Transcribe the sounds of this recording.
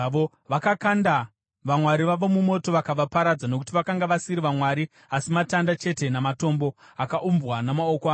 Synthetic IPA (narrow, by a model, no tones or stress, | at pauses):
o | ʋakakanda | ʋamwaɾiʋaʋo̞mumo̞to̞ʋakaʋapaɾad͡zano̞k̬u̥tiʋakaŋɡaʋasiɾiʋamwaɾi | asimatandat͡ʃe̞te̞namato̞mbo̞ | akaʔumbwanamao̞koaː